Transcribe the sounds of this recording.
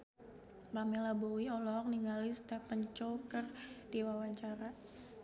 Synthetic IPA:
pamɛlabowiɔlɔk̚niŋalɪsdapəɲt͡ʃokərd̥iwawaɲt͡ʃaɾa

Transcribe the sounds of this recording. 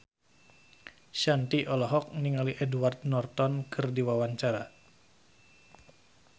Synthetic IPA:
ʃant̪iʔɔlɔɦɔk̚niŋaliʔɛduart̪̚nɔrt̪ɔnkʰɨrdiwawaɲt͡ʃaɾa

